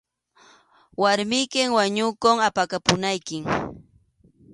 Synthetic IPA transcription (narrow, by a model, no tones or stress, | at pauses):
waɾmɪjkɪŋwaɲʊkoŋapakapʊnajkɪŋ